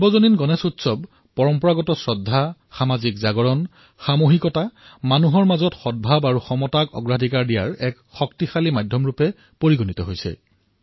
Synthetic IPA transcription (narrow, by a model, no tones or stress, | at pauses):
bɔzoninɡɔnesutsɔb | pɔɹɔmpɔɹaɡɔtɔsɹɔdʱːaxamazikzaɡɔɹɔn | xamoɦikɔtamanuɦɔɹmazɔtxɔd̚bʱabaɹuxɔmɔtakɔ̰ɡɹadʱikaɹdijaɹɛk | xɔktixalimadʱjɔmɹupɛ | poɹiɡɔnitɔɦojsɛ̰